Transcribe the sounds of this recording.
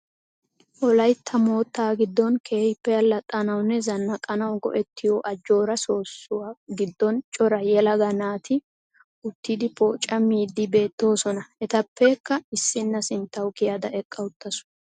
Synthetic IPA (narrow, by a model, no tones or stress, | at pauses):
ʔɔlɐjt̪ʰːɐmo̞ːt̪ːaːɡɪd̪ːɔnkʰe̞ːhɪpːɛɐlːɐt̪ʼːɐnɐwnːɛzɐnːɐkʼɐnɐwɡɔ̰ʔɛt̪ːɪjoːʔɐd͡ʒo̞ːɾɐso̞ːsːʊwaɡɪd̪ːɔnt͡ʃʼɔɾɐjɛlɐɡɐnaːt̪ʰɪ | ʊt̪ːɪd̪ɪpoːt͡ʃʼːɐmiːd̪ːɪbe̞ːt̪ːo̞ːsɔnɐɛt̪ɐpːɛkːɐɪsːɪnːɐsɪnt̪ːɐwkɪjad̪ɐɛkʼːɐʊt̪ːɐsʊ̥